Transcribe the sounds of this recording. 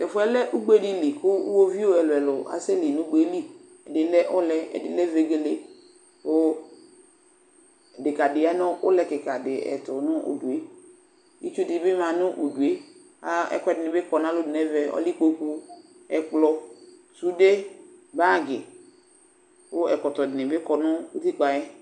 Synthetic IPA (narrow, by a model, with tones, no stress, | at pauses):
tɛ˨fʊ˨˦ɛ˦lɛ˦ʔu˦ɡ͡be˦dɪ˦li˨kʊ˦ṵ˦wo˦vi˦o˦ɛ˨lo˨ɛ˨lʊ˨a̰˨se˦lɪ˨nʊ̃˦ɡ͡be˨˦li˦ | ɛ˨dɪ˦lɛ˦ʔʊ˦lɛ˦ɛ̰˨dɪ̰˦lɛ˦ve˨ɡe˨le˨ | ʊ˦˨ | dɪ˨ka˨dɪ˨a˦nɔ˦ʔʊ˦lɛ˨kɪ˨ka˨dɪ˨ɛ̰˨tʊ˨nʊ˦o̰˨du˨e˦ | ḭ˦t͡ʃo˦di˨˦bɪ˦mã˨nʊ˦ʔo˨du˨e˦ | a˦ɛ̰˨kʷɛ˦dɪ˨nɪ˨bɪ˦kɔ˨n˦a˦lʊ˦dɪ˨nɛ˦vɛ˨ɔ̰˦li˦k͡po˦ku˦ | ɛ˨k͡plɔ˦ | su˦de˦ba˦˨ɡɪ˨ | wo˦ɛ˨kɔ˨tɔ˨dɪ˨nɪ˨bɪ˦kɔ˨nʊ˦u˦ti˦k͡pa˨jɛ˦